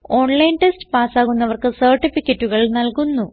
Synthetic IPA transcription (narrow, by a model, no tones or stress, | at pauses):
o̞ːɳlɐjnʈesʈɨ̥paːsaːɣunːɐʋɐrkɨsɐrʈifikʲːɐtːuɣɐɭnɐlkunːu